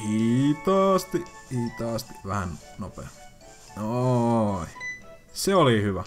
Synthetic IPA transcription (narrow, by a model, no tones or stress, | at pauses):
it̪ɑːst̪iʔ | iːt̪ɑːˑst̪iʔʋæhæn | nopḛˑɑ | o | i | seolihyʋæ